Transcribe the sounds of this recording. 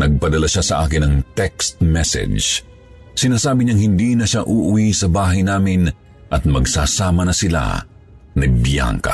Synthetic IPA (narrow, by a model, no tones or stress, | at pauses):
nɐɡ̚pɐd̪ɐlaʃasɐʔaːkɪnɐŋt̪ɛkst̪̚mɛsɛ̰d͡ʒ | sɪnaːsaːbɪɲɐŋhɪnd̪inɐʃaʔʊʔʊwisɐbaːɦɐjnaːmɪn | ʔɐt̪̚mɐɡsaːsaːmɐnɐsɪla̰ | nɐbja̰ŋkɐ̰